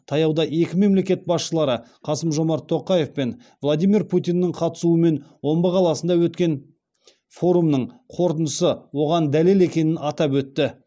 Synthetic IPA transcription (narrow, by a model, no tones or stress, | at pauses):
t̪ʰɑjɑwd̪ɑʔe̞kʲɪme̞mle̞kʲe̞t̪̚bɑsʃəlˠɑɾə | qʰɑsəmʒo̞mɑɾt̪ʰːo̞qɑje̞fpe̞n | vlˠad̪ijmiɾpʰut̪ʲijnːɪqʰɑt̪ə̥suəme̞nwo̞mbəqʰɑlˠɑsənd̪ɑwɵt̪kʲe̞n | fo̞ɾumnəɴqʰo̞ɾt̪ənəsəwo̞ʁɑnd̪æle̞le̞kʲe̞nɪnɑt̪ɑpwɵt̪ːɪ